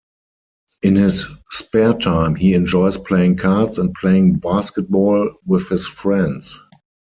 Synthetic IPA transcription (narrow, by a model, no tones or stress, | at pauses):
ʔɪ̃nhɪsːpɛtʰãɪ̃mhiːɛ̃nd͡ʒɔɪspʰl̥eɪɪ̃ŋkʰadsɛ̃nt̚pʰleɪɪ̃ŋbaskɛt̚bɔːlwɪθhɪsfɹɛ̃nds